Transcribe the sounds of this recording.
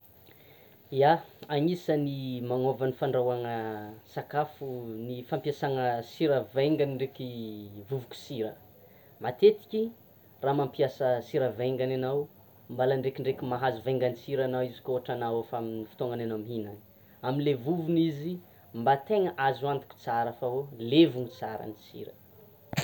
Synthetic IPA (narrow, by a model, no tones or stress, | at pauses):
iaaŋisənimaŋovanifaɳɖ͡ʐawaŋəsakafunifampiasaŋəsiɾəveŋɡaniɳɖ͡ʐekivuvuki̥siɾə | mat̪et̪i̥kʲi | raːmampijasəsiɾəvejŋɡananaw | mbalaɳɖ͡ʐekiɳɖ͡ʐekimaɦazuveŋɡanit͡siɾanawizi̥kʲoɦaʈ͡ʂanawafaaminifi̥t̪oŋananawmiɦinan | aminlevuvunizi | mbat̪eŋəʔazuant̪i̥kʲu̥t͡saɾafaolevuŋit͡saɾə̰nit͡sḭɾə